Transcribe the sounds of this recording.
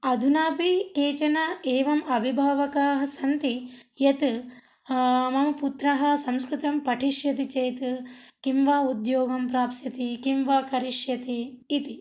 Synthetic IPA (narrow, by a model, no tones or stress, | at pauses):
ɐd̪ʱunaːpikeːt͡ʃɐnɐeːʋɐmɐbʱibʱaːʋɐkaːɦɐ̆sɐnt̪ijɐt̪ | mɐmɐput̪ɾɐɦɐ̆sɐmskɾut̪ɐmpɐʈʰiʃjɐt̪̬it͡ʃejt̪ukimʋaːud̪joːɡɐmpɾaːpsɐt̪ikimʋaːkɐɾiʂjɐt̪iːt̪i